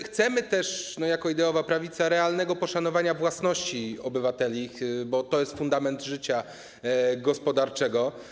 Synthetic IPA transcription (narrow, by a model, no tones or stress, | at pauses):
xt̪sɛmɘt̪ɛʂnɔjakɔid̪ɛɔvapɾavʲit̪saɾɛalnɛɡɔpɔʂanɔvaɲavwasnɔɕt͡ɕiɔbɘvat̪ɛlʲixbɔt̪ɔjɛst̪fund̪amɛnd̪ʐɘt͡ɕa | ɡɔspɔd̪aɾt͡ʂɛɡɔ